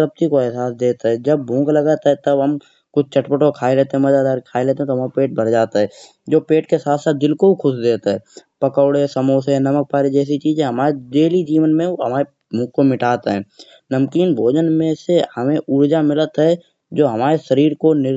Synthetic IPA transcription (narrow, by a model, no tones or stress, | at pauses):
ɾəp̚t̪ikoɛɦsaːsd̪eːt̪aɦɛd͡ʒɐb̚ːʱũːɡlɐɡaːt̪aɦɛt̪ɐbɦɐm | kʊt͡ʃʰt͡ʃəʈpəʈokʰaːeleːt̪ẽɦɛ̃mɐd͡ʒaːd̪aːɾkʰaːeleːt̪eɦɛ̃t̪oɦmapeːʈ̚bʱɐɾd͡ʒaːt̪aɦɛ̃ | d͡ʒoːpeːʈkesaːt̪ʰsaːt̪̚d̪ɪlkoikʰʊʃd̪eːt̪aɦɛːpɐkəʊɽesəmoːsenɐmək̚paːɾid͡ʒɛːs̬it͡ʃiːd͡ʒẽɦɐmaːɾeɖeːlid͡ʒiːʋənmẽɦɐmaːɾe | mũːkomɪʈaːt̪aɦɛ̃ː | nəmkiːnbʱoːd͡ʒənmẽsehɐmẽʔʊɾd͡ʒamɪlət̪ɦɛ | d͡ʒoːɦɐmaːɾeʃəɾiːɾkonɪ